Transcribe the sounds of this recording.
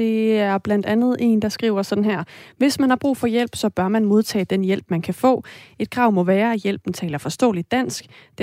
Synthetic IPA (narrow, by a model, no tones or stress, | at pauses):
e̝æɐb̥lænd̥ænð̞̩ˠe̝ːnd̥ɑ̈sɡ̥ʁḭːʊ̰ɐsɒ̽d̥n̩ɦæɐ̰ʋe̝smænhɑ̈b̥ʁṵːfɒ̽jel̰b̥sɒ̽b̥ɶɐmænmo̝ð̞ˠt͡sʰɛ̰ːd̥enjel̰b̥mænkʰæfɔ̰̽ːe̝d̥̚kʰʁɑ̈ʊ̰mɒ̽ʋæːɐæjel̰b̥n̩t͡sʰɛ̰ːlɐfɒ̽sd̥ɔ̰̽ːlid̥̚æn̰sɡ̥d̥